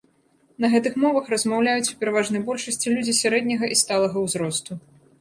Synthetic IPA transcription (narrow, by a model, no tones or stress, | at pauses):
nɐɣɛt̪ɨxmɔvɐxrɐzmawlʲajut͡sʲwpʲɛɾɐvaʐnɐjbɔlʲʂɐsʲt͡sʲilʲud͡zʲisʲaɾɛd̪ʲnʲɐɣɐʔist̪alˠɐɣɐwzɾɔst̪u